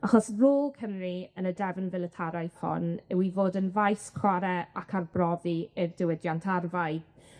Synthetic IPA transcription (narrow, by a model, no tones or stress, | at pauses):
aχɔsroːlˠkʰəmriənədɛvənvɪlˠətʰaɾajv̥hɔ̰nɛwivoːdənvajskʰwaɾɛakʰarbrɔðiɪrdɪwɪdjantʰarvaɨ